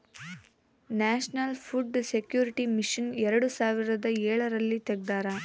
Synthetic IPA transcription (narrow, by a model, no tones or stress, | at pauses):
naːʃnɐlpʰuɖsekjuːɾiʈimiʂɐnɛɾɐɽusaːʋiɾɐd̪ɐɛːɭɐɾɐlːit̪ɛɡ̚d̪aːɾɐ